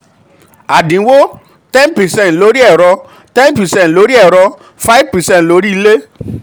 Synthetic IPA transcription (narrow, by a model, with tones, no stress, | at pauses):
a˨dĩ˨˦wo˦ | tɛ̃˦npɛ˨sɛ̃˦˨lo˨˦ɾi˦ɛ˦˨ɾɔ˧ | tɛ̃˦npɛ˨sɛ̃˦˨tlo˨˧˦ɾi˦ɛ˦˨ɾɔ˧ | fa˦i˦vpɛ˨sɛ̃˦˨tlo˨˦ɾi˦i˧le˦